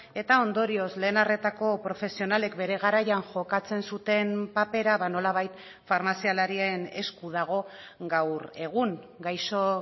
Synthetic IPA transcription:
e̞t̪ao̞nd̪o̞ɾio̞sle̞ːnare̞t̪ako̞pɾo̞fe̞sio̞nale̞kbe̞ɾe̞ɣaɾajaŋʝo̞kat͡se̞nsut̪e̞mpape̞ɾaβano̞laβajt̪ | faɾmasialaɾiene̞skuðaɣ̞o̞ | ɡawɾe̞ɣ̞uŋɡajso̞

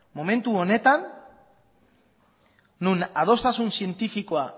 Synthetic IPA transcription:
mo̞mẽ̞nt̪uone̞t̪an | unað̞o̞st̪asunsie̞nt̪ifiko̞a

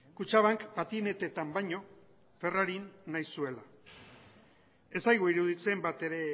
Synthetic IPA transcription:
kut͡ʃaβaŋkpat̪ine̞t̪e̞t̪ambajɲo̞ | fe̞raɾinːajsue̞la | e̞sajɣoiɾuðit͡se̞mbat̪e̞ɾe̞

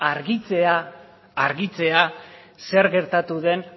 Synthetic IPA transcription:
aɾɣit͡seaː | ɾɣit͡se̞a | se̞ɾɣe̞ɾt̪at̪uðe̞n

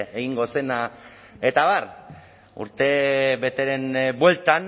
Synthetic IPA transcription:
eɣiŋɡo̞se̞na | et̪aβar | ṵɾt̪e̞βe̞t̪e̞ɾe̞mbwe̞lt̪an

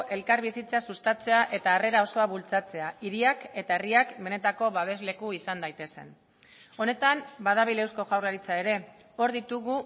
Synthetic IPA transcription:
ʔe̞lkaɾβisit͡sasust̪at͡se̞aʔe̞t̪aːre̞ɾao̞so̞aβult͡sat͡se̞aiɾiake̞t̪ae̞riakbe̞ne̞t̪ako̞βaβ̞e̞zle̞kuisand̪ajt̪e̞sen | o̞ne̞t̪ambað̞aβile̞wsko̞ʝawrlaɾit͡sae̞ɾe̞ | o̞ɾðit̪uɣu

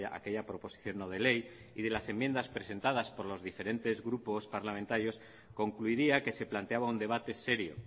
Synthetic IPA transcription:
aʔa̰ke̞ʎapɾo̞po̞si̥θjo̞nːoðele̞j | iðe̞lase̞mːje̞nd̪aspɾe̞se̞nt̪aðaspo̞ɾlo̞zðife̞ɾe̞nt̪e̞zɣɾupo̞spaɾlamẽnt̪aɾjos | ko̞ŋkluiɾiake̞se̞plant̪e̞aβaund̪e̞β̞at̪e̞se̞ɾjo̞̰

